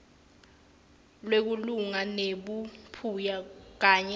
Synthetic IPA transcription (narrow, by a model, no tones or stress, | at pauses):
lwek̬uluŋaneɓupʰujak̬aːɲɛ